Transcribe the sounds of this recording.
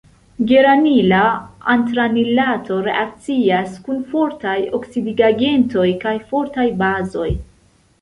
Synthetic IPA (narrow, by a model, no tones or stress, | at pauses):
ɡe̞ɾmanilaantɾanilatʰo̞ɾe̞̰ʔak̚t͡siaskunfo̞ɾtajo̞ksidiɡaɡe̞nto̞jkajfo̞ɾtajbazo̞j